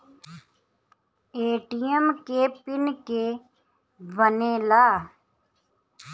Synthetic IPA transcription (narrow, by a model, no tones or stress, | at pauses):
eːʈijəmkepɪnke | ʋənelaː